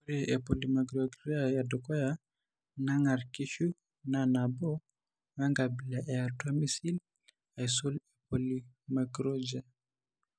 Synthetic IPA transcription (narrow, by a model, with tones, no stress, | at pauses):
u˦ɾe˨ʔe˨po˨li˨ma˨ɡɾɔ˨ɡɾa˦ja˨dɔ˨kɔ˦ja˦ | na˦ŋa˨ɾki˦ʃu˦ | na˨na˨bɔ˦ | ŋa˦ŋɡa˨bi˨la˨ʔɛ˨a˨twa˦mi˦si˦l | a˨i˨so˦le˨po˨li˦ | ma˨ɡɾɔ˦d͡ʒa˨